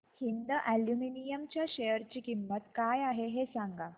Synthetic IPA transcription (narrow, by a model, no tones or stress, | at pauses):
hind̪əʔæljuminijəmt͡ɕjaɕejəɾt͡ɕiːkimːət̪kajaɦeɦesãŋɡa